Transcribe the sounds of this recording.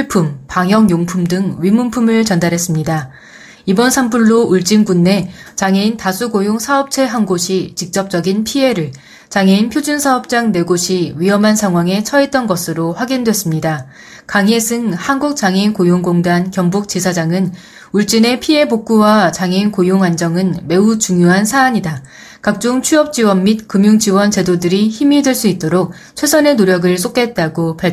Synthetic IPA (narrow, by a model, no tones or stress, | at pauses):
iɭpʰumpaŋjʌŋjoŋpʰumdɯŋɥimunpʰumɯɭt͡ɕʌndaɾɦe̞s͈ɯmɲida | ibʌnsʰampʰuɭːouɭt͡ɕ͈inbunːe̞t͡ɕaŋe̞intasʰuɡojoŋsʰaʌp̚t͡ɕʰe̞ɦanɡoɕʰit͡ɕik̚t͡ɕ͈ʌp̚t͡ɕ͈ʌɡinpʰie̞ɾɯɭ | t͡ɕaŋe̞inpʰjod͡ʑunsʰaʌp̚t͡ɕ͈aŋne̞ɡoɕʰiɥiʌmansʰaŋɦwaŋe̞t͡ɕʰʌɦet̚t͈ʌnɡʌsʰɯɾoɸwaɡindwe̞s͈ɯmɲida | kaŋe̞sʰɯŋhanɡuk̚t͡ɕ͈aŋeinkojoŋɡoŋdankjʌŋbuk̚t͡ɕ͈isʰad͡ʑaŋɯn | uɭt͡ɕ͈ine̞pʰie̞bok̚k͈uwat͡ɕaŋeinkojoŋand͡ʑʌŋɯnme̞ut͡ɕuŋjoɦansʰaːɲida | kak̚t͡ɕ͈oŋt͡ɕʰuʌp̚t͡ɕ͈iwʌnmit̚kɯmjuŋd͡ʑiwʌnt͡ɕe̞dodɯɾiçimidwe̞ɭs͈uit̚t͈oɾok̚ | t͡ɕʰwe̞sʰʌne̞noɾjʌɡɯɭs͈ok͈e̞t̚t͈aɡopaɭpʰ